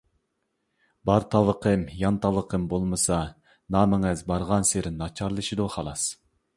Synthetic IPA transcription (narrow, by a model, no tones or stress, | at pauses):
bɑɾt̪ʰɑlˠəqʰəmjɑnt̪ʰɑlˠəqʰəmbolˠmɨsɑ | nɑːmɪŋɛzbɑɾʁɑnseɾɪnɑt͡ʃʰɑɾlˠɨʃid̪uχɑlˠɑs